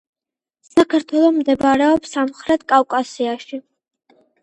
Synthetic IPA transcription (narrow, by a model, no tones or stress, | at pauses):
sakʰaɾt̪ʰwɛlˠɔmd̪ɛbaɾɛɔpsamχɾɛt̪̚ʰkʼawkʼasiaʃi